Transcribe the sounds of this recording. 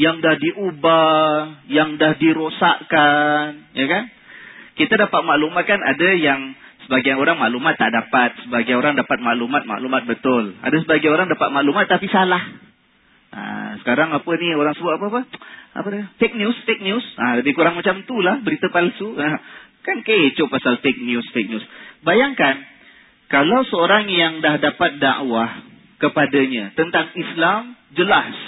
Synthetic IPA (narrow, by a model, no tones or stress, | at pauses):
jaŋdahdiʔuba | jaŋdahdiɾosaʔkanjakan | kit̪adapat̪̚maʔlumat̪̚kana̰dajaŋ | səbaɡajoɾaŋmaʔlumat̪ːaʔdapat̪̚səbaɡajoɾaŋdapat̪̚maʔlumat̪̚ma̰ʔlumat̪̚bət̪ʊla̰dasəbaɡajoɾaŋdapat̪̚maʔlumat̪ːapisalah | ʔa̰sə̥kaɾaŋapənioɾaŋsəbʊt̪apəapəa̰pədəfek̚njusfek̚njusalabikuɾaŋmat͡ʃamt̪ulahbəɾit̪əpalsuakankaet͡ʃopasalfɛk̚njusfek̚njusbajaŋkan | kalawsəoɾaŋjaŋdahdapat̪̚da̰ʔwah | kəpadaɲat̪ənt̪aŋislam | d͡ʒəlas